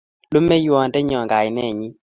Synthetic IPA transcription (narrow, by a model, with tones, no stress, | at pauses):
lo˦mɛ˦jwɔ˨ndɛ˦ɲɔ˨ŋɡa˨ɪ˨nɛ˦˨ɲi˦